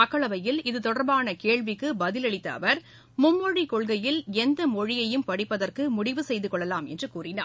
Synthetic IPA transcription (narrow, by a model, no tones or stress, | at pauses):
ɐkːɐɭɐʋɐjɪlɪðɯt̪ɔɽɐɾbaːnɐkeːɭʋɪkːɯbɐðɪlɐɭɪt̪ːɐːʋɐɾ | mʊmːɔɽikɔɭɣɐjɪlɛnd̪ɐmɔɻɪjɐjɯmpɐɽɪpːɐðɐrkɯmʊɽɪʋɯsɛjðɯkɔɭːɐlaːmɛ̰ndrɯkuːrɪna̰ː